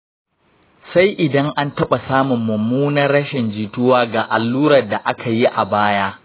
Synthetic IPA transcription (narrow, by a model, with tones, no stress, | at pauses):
sa˦jʔɪ˨dɐ˦ŋʔa˦ntɐ˦ɓa˨saː˦mʊ˨mːɐ˨muː˦nɐ˦rːɐ˦ʃɪ˨nd͡ʒiː˨tʊ˦waː˦ɡaː˨ʔa˨lːuː˦ɾɐ˨rda˨ʔa˦kʰa˨ji˦ʔa˨baː˦jaː˦